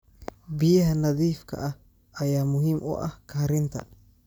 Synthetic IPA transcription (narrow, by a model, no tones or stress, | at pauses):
bɪjɐɦɐnɐðiːfkʰɐ̰ʔɐh | ɐjaːmʊɦiːmʔʊ̰ʔɐhkʰɐɐɾɪnt̪ʰɐ̰